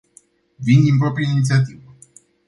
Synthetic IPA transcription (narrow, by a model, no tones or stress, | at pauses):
vind̪inpɾopɾiainit̪siat̪̬ivə